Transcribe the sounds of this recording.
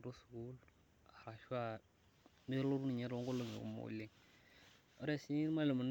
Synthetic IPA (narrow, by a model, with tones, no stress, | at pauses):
ɾo˦sku˦l | a˨ɾa˨ʃa˦ | me˦ɾlo˦ɾu˦ni˨ɲe˦ɾo˦ŋɡo˦lo˦˨ŋḛ˨kṵ˦mo̰˦li˦ŋ | o˦ɾe˦˨si˦i˦ɾma˦lə˨mu˨n